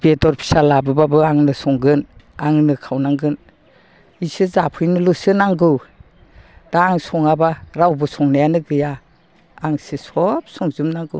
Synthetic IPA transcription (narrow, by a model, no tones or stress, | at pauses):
b̥etɔɾpʰi̥salabɯbabɯaŋnɯsɔŋɡɯnaŋnɯkʰawnaŋɡɯn | isɯzapʰɯjnɯlusɯnaŋɡɯw | d̥aŋsɔŋabaɾawbɯsʰɔŋnajanɯɡɯjaː | ŋsɯsɔp̚sɔŋzumnaŋɡɯ̰w